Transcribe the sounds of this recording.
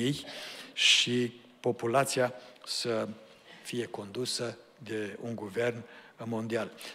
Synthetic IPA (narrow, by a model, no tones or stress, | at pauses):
ijʃi | po̞pulat̪siasə | fije̞ko̞nd̪usə | d̪e̞uŋɡuve̞rnmo̞nd̪ial